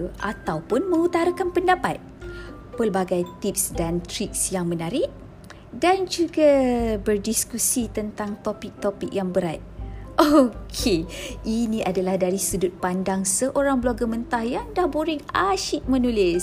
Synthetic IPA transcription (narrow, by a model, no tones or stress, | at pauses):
ʔat̪awpʊnmə̃ŋut̪aɾəkanpəndapat̪̚ | pəlbaɡajt̪ip̚sdant̪ɾik̚sjaŋmənaɾiʔ | dand͡ʒuɡabərdiskusit̪ənt̪aŋt̪opik̚t̪opik̚jaŋbəɾat̪̚ʔokʰeʔinĩʔadalahdaɾisədʊt̪̚pandaŋsəʔoɾaŋbloaɡamənt̪ahjaŋdahboɾɪŋaʃiʔ̪̚mə̃nulɪs